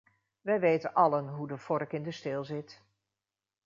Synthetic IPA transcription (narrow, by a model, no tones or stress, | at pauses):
ʋɛjʋejtənʔɑlənɦudəfɔrkɪndəstɪlˠzɪt